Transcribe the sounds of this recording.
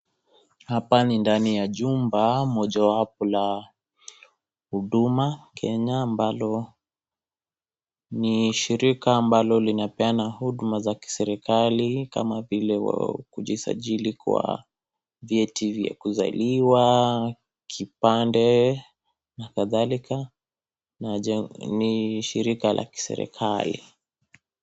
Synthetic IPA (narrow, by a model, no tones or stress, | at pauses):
hapanindanijaʄumbamɔʄawap̚ɔla | huɗumakʰɛɲaːmbalɔ | niʃiɾikaːmbalɔlinapɛanahuɗumazaki̥sɛɾɛkalika̰mavilɛwa̰kuʄisa̰ʄilikwa̰ | vjɛtivja̰kuza̰liwa | kʰipandɛ | nakaðalikʰa | naɛniʃiɾikalʔa̰ki̥sɛ̰ɾɛ̰kʰalḭ